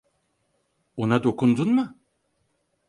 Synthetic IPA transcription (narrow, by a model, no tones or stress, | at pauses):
onad̪o̞kʰund̪unmɯ